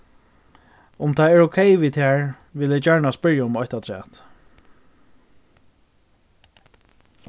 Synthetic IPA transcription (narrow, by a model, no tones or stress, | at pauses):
ʊmt̪ʰaɛɹokʰɛjʋiːt̪ʰæːɹ | ʋɪlɛd͡ʒœɹɳaspɪɹjaʊmɔçt̪at̪ʰɾɛ̰ːt̪